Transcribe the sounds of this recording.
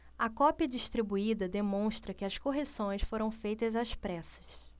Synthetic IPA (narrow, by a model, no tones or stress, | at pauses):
ɐkɔpiɐd͡ʒiʃt̪ɾibuid̪ɐd̪emõʃt̪ɾɐkɪɐskoɦesõj̃sfoɾɐ̃w̃fejt̪ɐzaspɾɛsɐ̥s